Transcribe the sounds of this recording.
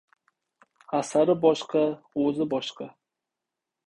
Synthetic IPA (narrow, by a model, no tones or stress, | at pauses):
asaɾɪbɒʃqʰɑɵzɪbɒʃqʰɑ